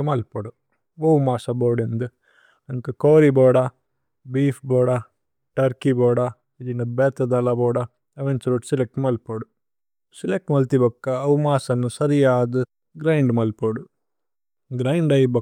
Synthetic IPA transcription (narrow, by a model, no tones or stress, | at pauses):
mɐlpɐɽu | ɐwmaːsɐboːɖend̪u | ɐŋkɐkoːɾiboːɽa | biːfboːɽa | ʈɐɾkiboːɽa | id͡ʒinɐbeːt̪ɐd̪ɐlaboːɽɐ | ɐʋent͡ʃɐɾuʈsilek̚ʈmɐlpoɽu | silek̚ʈmɐlt̪ibɐkːɐːwumaːsɐnːusɐɾijaːd̪u | ɡɾɐjɳɖmɐlpoɽu | ɡɾɐjɳɖɐjbɐ